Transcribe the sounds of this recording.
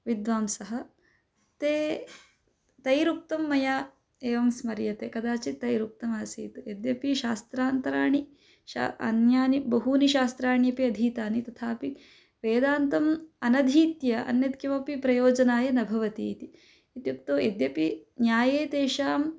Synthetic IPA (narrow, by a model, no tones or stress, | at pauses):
ʋid̪ʋaːmsɐɦɐ̆ | t̪eː | t̪ɐjɾuk̚t̪ɐmːɐjaː | eːʋɐmsmɐɾjɐt̪eːkɐd̪aːt͡ʃit̪ɐjɾuk̚t̪ɐmaːsiːt̪ujed̪jɐpiʃaːst̪ɾaːnt̪ɐɾaːɳi | ʃa̰ɐ̰njaːnibɐɦuːniʃaːst̪ɾaːɳjɐpiɐd̪ʱiːt̪aːnit̪ɐt̪ʰaːpi | ʋeːd̪aːnt̪ɐmɐnɐd̪ʱiːt̪jɐɐ̰njɐd̪̚kjɐʋɐpipɾɐjoːd͡ʒɐnaːjɐnɐbʱɐʋɐt̪iːt̪i | it̪juk̚t̪oːjed̪jɐpinjaːjeːt̪eːʃaːm